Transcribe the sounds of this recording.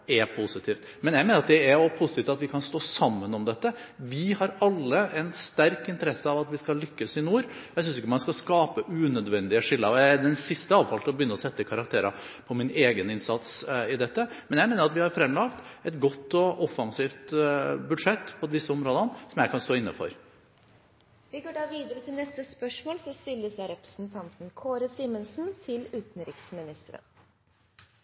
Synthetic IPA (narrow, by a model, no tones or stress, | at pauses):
ɛpʰʊsɪt̪ʰiːft̪ | mɛnjæɪmeːnəɾɑt̪d̪ɛæpʰʊsɪt̪ʰiːft̪ɑt̪ʋɪkʰɑnst̪oːsɑmːənɔmd̪ɛt̪ːəʋɪhɑɾɑlːəʔɛnst̪æɾkɪnt̪əɾɛsːəɑʋɑt̪ʋɪskɑlːʏkːəsɪnuːɾjæɪsʏnsɪkːəmɑnskɑskɑːpəʔʉːnœd̪ʋɛnd̪ɪəʂɪlːəɑjæɛd̪ɛnsɪst̪əɑːʋfɑlt̪ʰɪlɔbjʏnːəɔsɛt̪ːəkʰɑɾɑkt̪ʰeːɾɑ̰ | pʰɔmɪneːɡənɪnsɑt̪sɪd̪ɛt̪ːəmɛnjæɪmeːnəɾɑt̪ʋɪhɑɾfɾɛmlɑɡt̪ɛt̪ɡɔt̪ːɔʔɔfɑŋsiːft̪bʉd̪ʂɛt̪ːpʰɔd̪ɪsːəɔmɾoːd̪ənsɔmjæɪkʰɑnst̪oːɪnːə̰fɔ̰ɾ | ʋɪɡoːɖɑːʋiːd̪əɾət̪ʰɪlnɛst̪əspœʂmoːlsɔst̪ɪlːəsjæɪɾɛpɾəsn̩t̪ʰɑnt̪n̩kʰoːɾəsiːmənsn̩t̪ʰɪlʉːt̪nɾɪksmɪnɪst̪əɾə̰n